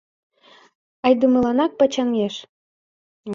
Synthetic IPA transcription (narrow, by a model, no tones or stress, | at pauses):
ɑjd̪umɤ̆lɑnɑk̚pɑt͡ɕɑŋɡeʃ